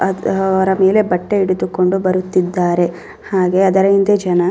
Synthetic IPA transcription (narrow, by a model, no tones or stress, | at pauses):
ɐɐʋɐɾɐme̞ːle̞bɐʈːe̞iɽud̪uko̞ɳɖubɐɾut̪ːid̪ːaːɾe̞ | haːɡe̞ɐd̪ɐɾɐind̪ed͡ʒɐnɐ